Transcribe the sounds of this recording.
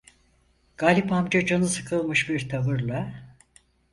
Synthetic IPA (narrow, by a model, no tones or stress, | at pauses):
ɡ̥aːlʲipamd͡ʒad͡ʒanɯsɯ̥kʰɯlˠmɯʃbiɾt̪ʰaβɯɾlˠa